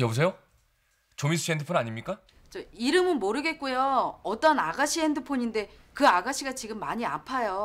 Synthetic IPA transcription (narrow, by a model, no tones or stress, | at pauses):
jʌbus̬ʰe̞jo | t͡ɕomis̬ʰuɕʰiendɯpʰonaɲimɲik͈a | t͡ɕʌiɾɯmɯnmoɾɯɡe̞t̚k͈ujoʌt͈ʌnaɡaɕʰiɦendɯpʰoɲinde̞kɯaɡaɕʰiɡat͡ɕiɡɯmːaɲia̰pʰajo